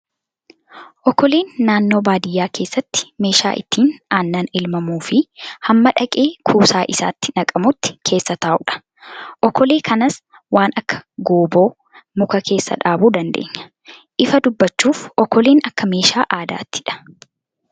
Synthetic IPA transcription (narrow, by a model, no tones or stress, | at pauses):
ʔɔkːɔleːnːaːnːo̞ːbaːd̪ɪjːaːke̞ːsːɐt̪ːɪ̥me̞ːʃa̰ːʔɪ̰t̪ːiːnaːnːaːnɪlmɐmuːfɪhɐmːɐᶑɐkʼeːkʰuːsaːʔɪsa̰ːt̪ːɪ̥nɐkʼɐmʊt̪ːɪ̥kʰe̞ːsːɐt̪aːʔʊᶑɐ̥ | ʔɔkːɔleːkʰɐnɐs | waːnʔɐkːɐ̥ɡoːbo̞ː | mʊkɐkʰe̞ːsːɐ̰ᶑaːbuːd̪ɐnd̪ḛːɲːɐ̥ | ʔɪfɐd̪ʊbːɐt͡ʃːuːfʔɔkːɔleːnɐkːɐme̞ːʃaːʔaːd̪a̰ːt̪ʰːɪ̥ᶑɐ̥